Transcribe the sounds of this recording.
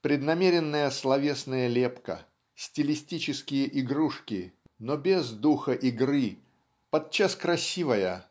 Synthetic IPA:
pɾʲɪd̪nɐmʲeɾʲɪnːəjəslˠɐvʲe̞snəjəlʲepkə̰ | sʲtʲɪlʲɪsʲtʲit͡ɕɪskʲɪjəʔɪɡɾuʂkʲɪ | nobʲezd̪uxəʔɪɡrɨ | pɐt̪̚t͡ɕːaskɾɐsʲivəjə

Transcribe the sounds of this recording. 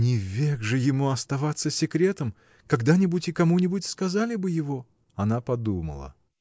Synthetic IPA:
nʲɪvʲeɡʐɨjɪmuɐst̪ɐvat̪sːəsʲɪkɾʲe̞t̪əm | kɐɡd̪anʲɪbʊtʲɪkɐmunʲɪbʊtʲskɐzalʲɪbɨjɪvo | ɐnapɐd̪umə̰lˠə̰

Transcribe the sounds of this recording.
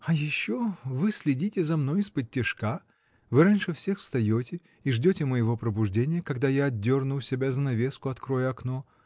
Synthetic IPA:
ɐjɪɕːovɨsʲlʲɪdʲitʲɪzɐmno̞jɪspətʲːɪʂka | vɨɾanʲʂɨfsʲe̞xfst̪ɐjotʲɪ | iʐdʲotʲɪməjɪvo̞pɾəbʊʐdʲenʲɪjəkɐɡd̪ajaɐd̪ʲːornʊsʲɪbʲazənɐvʲe̞skʊɐt̪kɾo̞jəɐkno

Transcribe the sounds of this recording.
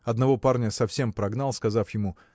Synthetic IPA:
ɐd̪nɐvo̞parnʲəsɐfsʲempɾɐɡnalˠskɐzafjɪmu

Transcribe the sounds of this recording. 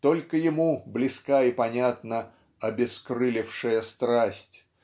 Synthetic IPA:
t̪o̞lʲkəjɪmublʲɪskaipɐnʲat̪nə | ɐbʲɪskɾɨlʲɪfʂɨjəst̪ɾasʲtʲ

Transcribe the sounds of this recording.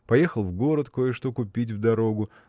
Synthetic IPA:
pɐjexəlˠvɡo̞ɾət̪kojɪʂt̪okʊpʲitʲvd̪ɐɾo̞ɡʊ

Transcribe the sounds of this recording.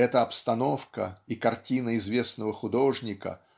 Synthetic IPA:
ɛt̪əɐpst̪ɐno̞fkə̰ikɐrtʲinəɪzvʲe̞snəvəxʊd̪o̞ʐnʲɪkə̰

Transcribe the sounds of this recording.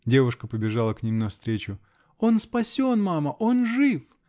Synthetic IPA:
dʲe̞vʊʂkəpəbʲɪʐalˠəknʲimnɐfst̪ɾʲet͡ɕʊ | o̞nspɐsʲo̞nmaməʔo̞nʐɨf

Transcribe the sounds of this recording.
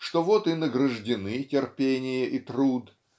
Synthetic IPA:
ʂt̪ovot̪ɨnəɡɾəʐdʲɪnɨtʲɪrpʲenʲɪjəʔit̪ɾud̪

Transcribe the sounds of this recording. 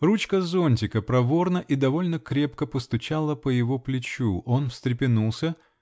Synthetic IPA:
rut͡ɕkəzo̞nʲtʲɪkəpɾɐvo̞rnəʔid̪ɐvo̞lʲnəkɾʲe̞pkəpəst̪ʊt͡ɕalˠəpəjɪvo̞plʲɪt͡ɕuʔo̞nfsʲt̪ɾʲɪpʲɪnulˠsʲə

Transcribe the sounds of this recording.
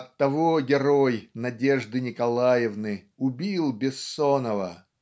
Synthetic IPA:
ɐtt̪ːɐvoɡʲɪɾojnɐdʲeʐd̪ɨnʲɪkɐlˠajɪvnɨ | ʊbʲilˠbʲɪsːonəvə

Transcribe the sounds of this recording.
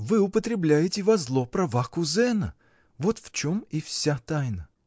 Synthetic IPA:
vɨʊpət̪ɾʲɪblʲæjɪtʲɪvɐzlˠopɾɐvakʊzɛnə̰ | vot̪ft͡ɕomifsʲat̪ajnə

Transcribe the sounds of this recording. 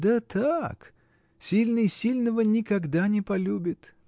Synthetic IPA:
d̪ət̪ʰak | sʲilʲnɨsʲilʲnəvənʲɪkɐɡd̪anʲɪpɐlʲubʲɪt̪

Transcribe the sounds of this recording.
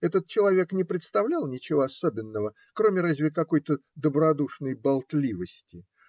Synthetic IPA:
ɛt̪ət̪̚t͡ɕɪlˠɐvʲe̞knʲɪpɾʲɪt̪st̪ɐvlʲalˠnʲɪt͡ɕɪvoɐso̞bʲɪnːəvə | kɾo̞mʲɪrazʲvʲɪkɐko̞jt̪əd̪əbɾɐd̪uʂnəjbɐlˠt̪lʲivəsʲtʲɪ

